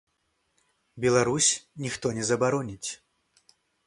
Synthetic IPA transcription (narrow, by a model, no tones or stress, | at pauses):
bʲɛlˠaɾusʲnʲixt̪ɔnʲɛzɐbaɾɔnʲit͡sʲ